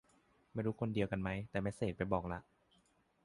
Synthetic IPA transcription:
ma˥˩jɾuː˦˥kʰo˧ndi˧əwka˧nma˦˥jt̪ɛː˨˩ma˥˩jseː˨˩t̪̚pa˧jbɔː˨˩k̚la˦˥ʔ

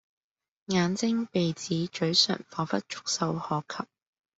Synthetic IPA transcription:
ŋaː˨˧nt͡sɪ˥ŋpe˨jt͡siː˨˥t͡ʃɵ˨˥ɥsœ̰ː˨˩ŋfɔː˨˩fɐ˥t̚t͡ʃʊ̥˥k̚sɐ˧whɔː˨kʰɐ˨p̚

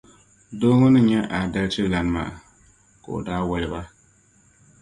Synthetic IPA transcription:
doː˦ŋɔ˦nɨ˦ɲɛ˦ʔa˨da˦lt͡ʃɪ˦la˨nɨ˦ma̰ː˨a̰˨ | ka˨o̰˨daː˦wɔ˦lɪ˦ba˦

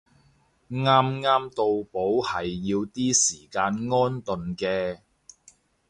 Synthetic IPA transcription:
ŋaː˥mŋaː˥mt̪o˨˧wpo˨˥whɐ˨jːiː˧wt̪iː˥siː˨˩kaː˧nŋɔː˥nt̪ɵ˨nkɛː˧

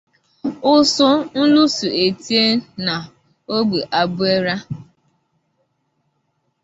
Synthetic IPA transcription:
ʊ˦sʊ˦n̩˦lu˦su˨e˨ti˦e˦na˨ | o˦ɡ͡bu˨ʔa˨bʊ˦e˦ɾa˦

